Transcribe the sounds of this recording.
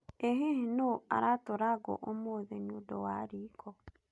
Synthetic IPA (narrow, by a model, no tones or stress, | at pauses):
eɦehinoa̰ɾatoɾaɡɔ̰ʔomoðɛɲodɔ̰waɾikʰɔ